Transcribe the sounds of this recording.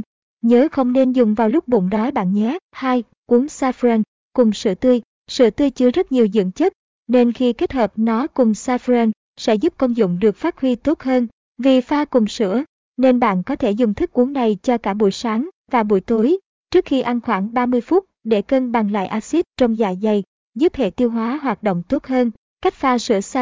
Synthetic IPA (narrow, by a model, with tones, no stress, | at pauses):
ɲəː˨˦xə˧wŋ͡mne˧nzʊ˨˩ŋ͡mvaː˨˩wlʊ˦˥k͡p̚ɓʊ̰˧˨ŋ͡mɗɔ˨˦jɓa̰ː˧˨nɲɛ˨˦haː˧j | kwu˨˦ŋsaː˧fɛ˧n | kʊ˨˩ŋ͡msɨ̰˧˩ət̪ɨ˧j | sɨ̰˧˩t̪ɨ˧əjt͡ɕɨ˧əzə˦˥t̚ɲi˨˩əwzɨ̰˧˨əŋt͡ɕə˦˥t̚ | ne˧nxi˧ke˦˥t̚həː˨˩p̚nɔ˨˦kʊ˨˩ŋ͡msaː˧fɛ˧n | sɛ̰˧˥zu˦˥p̚kə˧wŋ͡mzʊ̰˧˨ŋ͡mɗɨ˨˩ək̚faː˦˥t̚hwi˧t̪o˦˥t̚həː˧n | vi˨˩faː˧kʊ˨˩ŋ͡msɨ̰˧˥ə | ne˧nɓa̰ː˧˨nkɔ˨˦t̪ʰe˧˩zʊ˨˩ŋ͡mt̪ʰi˦˥k̚kːu˨˦əŋna˨˩jt͡ɕɔ˧kaː˧˩ɓṵ˧˩jsaː˨˦ŋ | vaː˨˩ɓṵ˧˩əjt̪o˨˦j | t͡ɕɨ˦˥ək̚xi˧ʔa˧nxwaː˧˩ŋɓaː˧mɨ˧əjfu˦˥t̚ɗe˧˩kə˧nɓa˨˩ŋla̰ː˧˨jʔaː˧si˦˥t̚t͡ɕɔ˧wŋ͡mza̰ː˧˨˩jza˨˩j | zu˦˥p̚hḛ˧˨t̪i˧əwɦwaː˨˦ɦwaː˨˩t̚ɗo̰˧˨wŋ͡mt̪o˦˥t̚həː˧n | ka˦˥jk̟̚faː˧sɨ̰˧˩əsa˧